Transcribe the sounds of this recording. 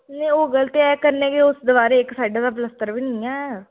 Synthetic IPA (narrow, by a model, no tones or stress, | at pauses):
nẽːoːɡəlt̪eːɛːkəɾneːɡeʊsd̪əʋaːɾeːɪksaːiɖad̪aːp̬ləst̪əɾʋiːnɪĩːɛː